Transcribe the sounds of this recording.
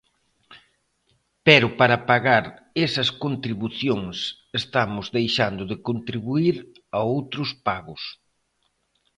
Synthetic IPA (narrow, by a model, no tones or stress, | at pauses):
pɛɾʊpaɾɐpaɣaɾ | ɛsɐskont̪ɾiβuθjoŋs | est̪amʊzðejʃand̪ʊðɪkont̪ɾiβuiɾ | aowt̪ɾʊspaɣʊs